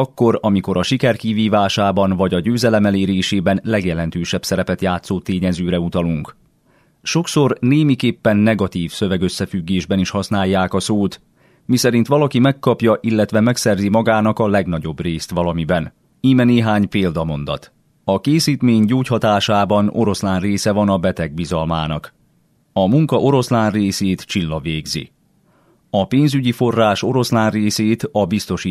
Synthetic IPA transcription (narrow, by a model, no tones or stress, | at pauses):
ɒkːo̞ɾɒmiko̞ɾɒʃikɛrkiviːvaːʃaːbɒnvɒɟɒɟøːzɛlɛmɛleːɾeːʃeːbɛnlɛɡjɛlɛnt̪øːʃɛpsɛɾɛpɛt̪jaːt̪soːt̪eːɲɛzøːɾɛut̪ɒluŋk | ʃo̞kso̞rneːmikeːpːɛnːɛɡɒt̪iːfsø̞vɛɡø̞sːɛfyɡːeːʒbɛniʃhɒsnaːjːaːkɒsoːt̪ | misɛɾin̪t̪ʋɒlɒkimɛkːɒpjɒʔilːɛt̪ʋɛmɛksɛrzimɒɡaːnɒkɒlɛɡnɒɟo̞breːst̪ʋɒlɒmibɛn | iːmɛneːɦaːɲpeːld̪ɒmo̞nd̪ɒ̰t̪ | ɒkeːsiːt̪meːɲɟoːchɒt̪aːʃaːbɒno̞̰ɾo̞slaːnreːsɛvɒnɒbɛt̪ɛɡ̚bizɒlmaːnɒk | ɒmuŋkɒʔo̞ɾo̞slaːnreːseːt̪t͡ʃilːɒveːɡzḭ | ɒpeːnzyɟifo̞rːaːʃo̞ɾo̞slaːnreːseːt̪ɒbist̪o̞ʃiː